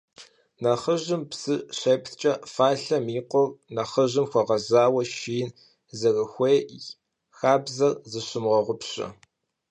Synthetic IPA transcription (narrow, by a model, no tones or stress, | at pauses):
nɐχəʑɪmpsɨɕeːpʰtt͡ʃʼɐfaːɬɐmiːqʷɔrnɐχəʑɪmxʷɔʁɐzaːwɐʃiːn | zɐrəxʷeː | xaːbzɐrzɨɕɪmʁɐʁʷʊpɕʼɐ̰